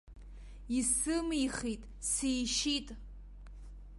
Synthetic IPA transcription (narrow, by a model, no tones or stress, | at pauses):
isɨmiχitʼ | sijʃitʼ